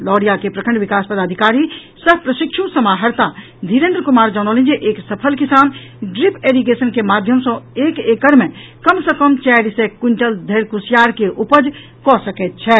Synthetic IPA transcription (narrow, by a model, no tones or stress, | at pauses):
lɔːɽijakepɾəkʰə̃ɳɖʋikaːspəd̪aːd̪ʱikaːɾi | səbpɾəʃikʃʰusɐmaːɦəɾt̪a | d̪ʱiɾẽːnd̪ɾəkumaːɾd͡ʒaːnɔːlĩnd͡ʒeʔeːksəpʰəlkisaːn | ɖɾipʰeɾiɡesənkemaːd̪ʱjəmsɔ̃eːkekəɾmẽkəmsə̃kəmt͡ʃɛɾisekːuɳʈəld̪ʱeɾkusjaːɾkeʔupəd͡ʒ | kɔsəkɛt̪̚t͡ʃʰɛ